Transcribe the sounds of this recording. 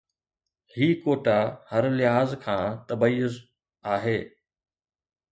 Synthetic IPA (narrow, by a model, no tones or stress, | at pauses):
hiːkoːʈahɐɾlɪɦaːzkʰãːt̪ɐbəjʊz | aːɦeː